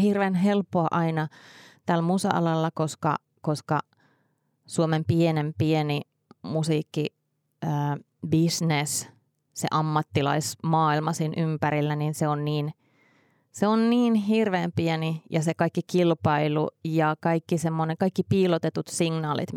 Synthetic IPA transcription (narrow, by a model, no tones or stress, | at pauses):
hirʋenɦelpːoɑʔɑinɑt̪ælmusɑ̰ʔɑ̰lɑlːɑkoskɑ̰ | koskɑ | suomempienempieni | musiːkːi | əː | bisnes | sḛʔɑmːɑt̪ːilɑ̰ismɑːilmɑsiːnʔympæɾilːæninseonniːn | seonniːnɦirʋeːmpienijɑsekɑikːikilpɑilujɑkɑikːisemːoneŋkɑikːipiːlot̪et̪ut̪siŋnɑːlḭt̪